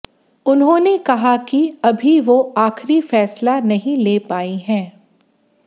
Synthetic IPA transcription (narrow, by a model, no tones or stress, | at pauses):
ʊnɦõnekɐɦakiɐbʱiʋoaːxɾifɛːslanɐɦĩleːpaːiɦɛ̃ː